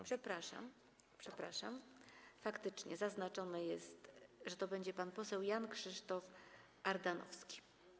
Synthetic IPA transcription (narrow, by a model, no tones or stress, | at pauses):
pʂɛpɾaʂa̰m | pʂɛpɾa̰ʂa̰mfakt̪ɘt͡ʂɲɛ̰zaznat͡ʂɔnɛjɛst̪ʐɛt̪ɔbɛɲd͡ʑɛpanpɔsɛwjankʂɘʂt̪ɔf | aɾd̪anɔ̰fskʲi̥